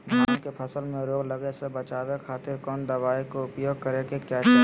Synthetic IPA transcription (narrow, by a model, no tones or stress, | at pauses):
bʱaːnkepʰəsəlmẽɾoːɡləɡesebət͡ʃaːwekʰaːt̪ɪɾkɔːnd̪əʋaːekoʊpjoːɡ̚kəɾekekjaːt͡ʃa